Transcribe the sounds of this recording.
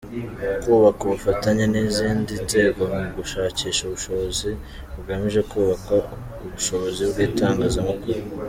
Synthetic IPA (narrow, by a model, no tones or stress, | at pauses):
kuːβakuβufataɲeniziːndinze̞ːɡomuɡuʃaːciːʃuβuʃo̞βo̞zi | βuɡamiʒe̞kuːβaka | uβuʃo̞βo̞zibɡiːtaːŋɡazamakuɾu